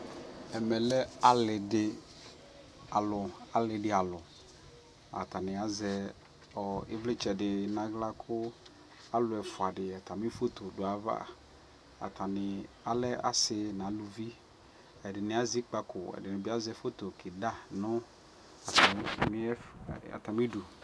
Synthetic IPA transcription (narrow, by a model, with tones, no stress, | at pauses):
ɛ˨mɛ˨lɛ˦a˨lɪ˨dɪ˨ | a˨lʊ˨a˨lɪ˨ɖɪ˨a˨lʊ˨ | a̰˨t̪a˨nɪ̃˨a˨zɛ˦ | ɔ˨ɪ˦vlɪ˦t͡ʃɛ˨ɖɪ˨nã˨˦ɡla˦kʰʊ˦ | a˦lʊ˨˦ɛ˨fʊ˨a˨ɖɪ˨a˨t̪a˨mĩ˦fo˦t̪o˨dʊ˨a˨va̰˦ | a̰˨t̪ʰa˨nɪ˨ | a˨lɛ˦a̰˨sɪ˦nã˨˦lu˨vi˦ | ɛ˨dɪ˨nɪ̃˨a˦zi˦k͡pa˨kʊ˨ɛ̰˨dɪ˨nɪ̃˨bɪ˦a˦zɛ˦fo˦t̪o˨kʰɪ˨da˦˨nʊ˦ | a˨ta˨m˦a̰˨t̪a˨mɪ˦du˨